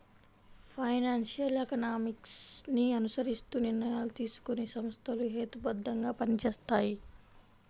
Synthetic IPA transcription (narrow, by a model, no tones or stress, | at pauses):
pʰɐjnaːnsijɐlekɐnaːmiksniɐnusɐɾist̪uːniɾnɐjaːlut̪iːsu̥kunesɐmɐst̪ʰɐluɦeːt̪ubɐd̪ːɐŋɡaːpɐnit͡ʃeːst̪aːji